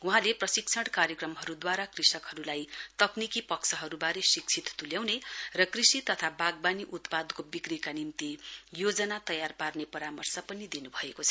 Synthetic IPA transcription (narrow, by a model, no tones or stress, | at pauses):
uɦãleprʌsik̚t͡sʰʌɽkaɾjʌkrʌmɦʌɾud̪waɾakrisʌkɦʌɾulajt̪ʌknikipʌksʰʌɦʌɾubaɾesik̚t͡sʰit̪t̪uljawnerʌkrisit̪ʌt̪ʰabaɡ̚baniʔut̪pad̪kobikrikanimt̪ijod͡zʌnat̪ʌjarparnepʌɾamʌrsʌpʌnid̪inubʱʌekot͡sʰʌ̥